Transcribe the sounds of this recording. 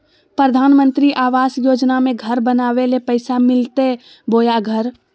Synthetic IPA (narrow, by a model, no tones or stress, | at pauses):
pɾəd̪ʱaːnmə̃nt̪ɾiʔaːʋaːsjoːd͡ʒnamẽɡʱəɾbənaːʋelepəɪsamɪlt̪e | boːjaɡʱəɾ